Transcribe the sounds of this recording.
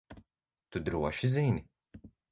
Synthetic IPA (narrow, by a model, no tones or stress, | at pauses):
t̪ud̪ɾuɔʃizinʲi